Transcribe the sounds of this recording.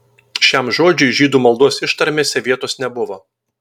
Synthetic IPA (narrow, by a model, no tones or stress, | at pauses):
ʃʲɛmʒoːd͡ʒʲʊɪʒʲiːd̪uːmɐlˠd̪uɔsʲɪʃt̪ɐɾʲmʲeːsʲɛʋʲiɛt̪oːsnʲɛbʊʋo